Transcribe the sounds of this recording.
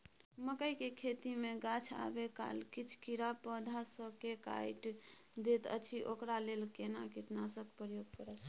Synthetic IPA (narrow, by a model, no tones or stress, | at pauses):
məkəjkekʰet̪imeɡat͡ʃʰa̰beka̰lkit͡ʃʰkiɾapəd̪ʱasəkeka̰jʈd̪et̪ə̰t͡ʃʰiʔokɾalelkenakiʈnasəkpɾəjoɡ̚kəɾɛt̪ʰ